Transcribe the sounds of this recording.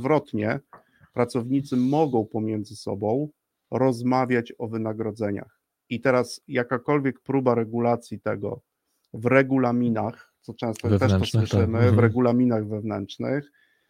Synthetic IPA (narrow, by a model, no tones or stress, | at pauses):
vɾɔt̪ɲɛ̰ | pɾat̪sɔvɲit̪sɘmɔɡɔ̃w̃pɔmʲjɛnd̪zɘsɔ̰bɔ̃w̃ | ɾɔzmavʲjat͡ɕɔvɘnaɡɾɔd̪zɛɲa̰x | it̪ɛɾasjakakɔlvʲjɛk̚pɾubaɾɛɡulat̪sʲjit̪ɛɡɔ̰ | vɾɛɡulamʲinaxt̪sɔt͡ʂɛ̃st̪ɔt̪ɛʂɔswɘʂɘmɘvɾɛɡulamʲinaɣvɛvnɛ̰ntt͡ʂnɘ̰x